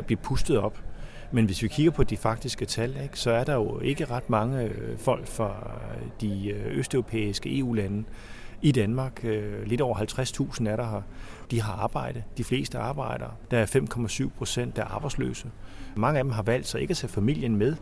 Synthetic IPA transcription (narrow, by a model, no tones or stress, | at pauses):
b̥liɐpʰusd̥ð̩ˠɒ̽b̥ | menʋe̝sʋikʰiɡ̥ɐpʰɒ̽d̥ifɑ̈ɡ̥̚d̥isɡ̥ət͡sʰæleɡ̥sɒ̽æɐɾ̥ɑ̈jo̝e̝ɡ̥əʁɑ̈d̥mɑ̈ŋəfɒ̽l̰ɡ̥fʁɑ̈d̥iøsd̥œʊʁo̝pʰḛːisɡ̥əe̝̰ːṵːlænə | id̥ænmɑ̈ːɡ̥le̝d̥ɒ̰ʊɐɦælt͡sʰʁast͡sʰṵːsn̩æɐɾɑɦɑd̥iɦɑ̈ɑ̈ːb̥ɑ̈ɪ̰ɾ̥ð̩ˠd̥ifle̝̰ːsd̥əɑ̈ːb̥ɑ̈ɪ̰ɾ̥ɐːd̥ɑ̈æɐfem̰kʰɒ̽mæsyʊ̰pʰʁo̝sen̰d̥æɐʔɑ̈ːb̥ɑ̈ɪdslø̰ːsəmɑ̈ŋəæd̥emɦɑ̈ʋæl̰d̥sɑ̈ɪe̝ɡ̥æt͡sʰæfæmil̰jənmeð̞ˠ